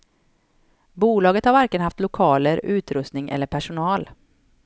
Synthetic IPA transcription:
buːlɑːɡət̪haɾvæɾkənhaft̪lʊkʰɑːləɾʉ̟ːt̪ɾɵst̪nɪŋʔɛ̰lːəɾpʰæʂʊnɑːl

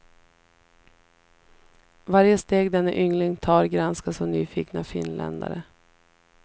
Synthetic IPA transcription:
vaɾjəst̪eːɡd̪ɛnːaʔʏŋlɪŋt̪ʰɑːɾɡɾanskasɔmnyːfiːknafɪnlɛ̰nd̪a̰ɾə

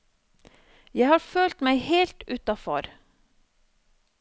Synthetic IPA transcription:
jæɪhɑːɾføːlt̪mæɪheːlt̪ʉːt̪ɑfɔ̰ɾ

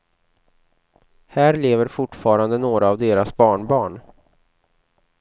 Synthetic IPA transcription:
hæːɾleːvəɾfʊʈːfɑːɾand̪ənoːɾaːvd̪eːɾasbɑːɳbɑːɳ

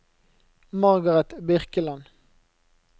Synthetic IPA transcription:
mɑʁɡɑʁɛt̪bɪʁkəlɑn

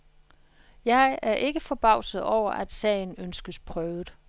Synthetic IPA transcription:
jɑ̈ɪɪʔæɐʔe̝ɡ̥əfɒ̽b̥ɑ̈ʊ̰sð̩ˠɒʊ̰ɐʔæd̥sɛ̰ɪn̩ønsɡ̥əspʰʁœːʊð̩ˠ

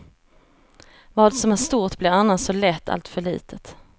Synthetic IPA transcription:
vɑːd̪sɔmæʂt̪uːʈ̪blɪɾanːasɔlɛt̪ːa̰lt̪fœɭḭːt̪ʰət̪

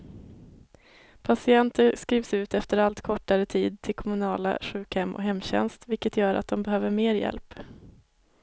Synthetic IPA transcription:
pʰasɪɛnt̪əskɾiːvsʉ̟ːt̪ɛft̪əɾalt̪kʰɔʈːaɾət̪ʰiːd̪̚t̪ʰɪlkʰɔmɵnɑːla̰ɧʉ̟ːkhɛmːʔɔ̰ɦɛmːɕɛ̰nst̪vɪlkət̪ʰjœːɾa̰t̪̚d̪ɔmbɛɦøːvəɾmeːɾjɛ̰lp

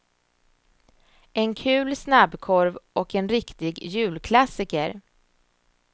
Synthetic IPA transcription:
ɛnkʰʉ̟ːlsnabkʰɔɾvɔkɛnɾɪkt̪ɪɡjʉ̟ːlkʰlasɪkəɾ

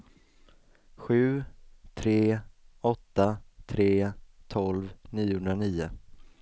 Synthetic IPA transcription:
ɧʉ̟ːt̪ʰɾeːɔt̪ːat̪ʰɾeːt̪ʰɔlvniːʊhɵnɾaniːʊ

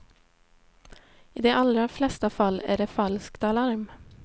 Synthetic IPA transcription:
iːd̪eːʔɑlɾaflɛst̪ɑfɑlæ̰ːɖeːfɑlskt̪ɑlɑɾm

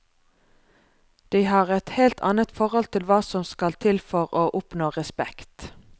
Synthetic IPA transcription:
d̪̥iɪɦɑːʁɛt̪heːlt̪ʰɑ̰ːnət̪fɔʁhɔlt̪ʰɪlʋɑːsɔmskɑlt̪ʰɪlfɔʁoːʔʊpnoːʁɛspɛkt̪

